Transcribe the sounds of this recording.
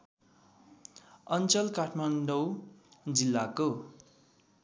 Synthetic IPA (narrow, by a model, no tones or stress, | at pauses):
ʌnt͡sʌlkaʈʰmaɳɖʌwd͡zilːako